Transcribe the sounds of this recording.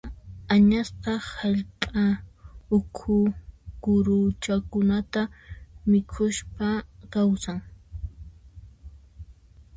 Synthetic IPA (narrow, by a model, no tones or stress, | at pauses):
aɲasqɑhaʎpʼaʊkʰʊkʊɾʊt͡ʃakʊnat̪amɪkʰʊʃpakawsaŋ